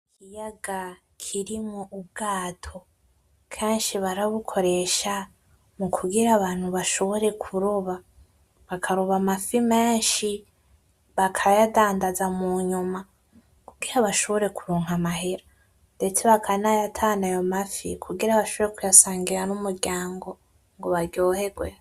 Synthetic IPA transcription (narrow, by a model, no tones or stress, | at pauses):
ikʰijaɡa | kʰiɾimoʔub̚ɡaːtʰo̞ | kʰeːnʃiβaɾaβukʰo̞ɾe̞ʃa | mukʰuɡiɾaβaːn̥huβaʃo̞βo̞ɾe̞kʰuɾoβa | βakʰaɾoβamafime̞ːnʃi | βakʰajadaːndazamuɲuma | kuɡiɾaβaʃo̞βo̞ɾe̞ku̥ɾuːŋɦamaɦeɾa | nde̞t͡se̞βakʰanajatʰaːnajo̞mafikʰuɡiɾaβaʃoβo̞ɾekujasaːŋɡiɾanumuɾɟaːŋɡo̞ | ŋɡo̞βaɾɟoːhe̞ɡwe